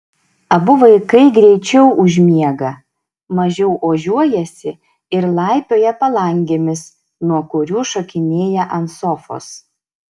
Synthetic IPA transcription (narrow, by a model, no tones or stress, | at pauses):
ɐbʊʋɐɪkɐɪɡɾʲɛɪt͡ʃʲɛʊʔʊʒʲmʲiɛɡɐ | mɐʒʲɛʊʔoːʒʲuɔjɛsʲɪ | ɪɾlˠɑˑɪpʲoːjɛpɐlˠɐŋʲɡʲeːmʲɪs | nuɔkʊɾʲuːʃokʲɪnʲeːjɛʔɐnsɔfo̰ːs